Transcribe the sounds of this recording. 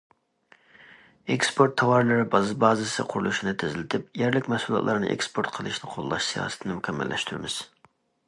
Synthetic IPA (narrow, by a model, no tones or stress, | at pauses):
ekspʰoɾt̪ʰːɑwɑɾlˠɨɾɨbɑzɨbɑːzɨsɨ̰qʰʊɾṵlˠuʃinɨt̪ʰɪzɪlɪt̪ʰɪp̚jɛɾlɪkʲmɛsulˠjɑ̰t̪lˠɑɾnɨ̰ʔḛkspʰoɾt̪̚qʰəlˠɨʃnɨqʰolˠːɑʃsijɑ̰ːsɨ̥t̪ʰɨnɨmykʲʰɛmːɛ̰lːʔɛ̰ʃt̪yɾɪmɪz̥